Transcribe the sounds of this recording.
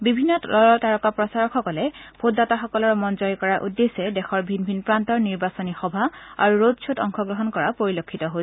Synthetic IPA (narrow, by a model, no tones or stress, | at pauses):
bibʱinːɔtlɔlɔtaɹɔkapɹɔsaɹɔxɔkɔlɛpʰodːataxɔkɔlɔɹmɔnzɔjikɔɹaʔudːesɛdɛxɔɹbʱinbʱinpɹantɔɹniɹbasɔnixɔbʱaa̰ɹuɹodsʰotɔŋxɔɡɹɔɦɔnkɔɹapoɹilokʰːitɔɦo